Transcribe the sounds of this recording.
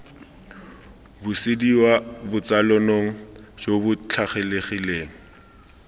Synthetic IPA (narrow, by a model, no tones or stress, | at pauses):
bʊsɪdiwabʊt͡salɔnoŋ̩ʃobʊt͡ɬʰaχeleχileːŋ̩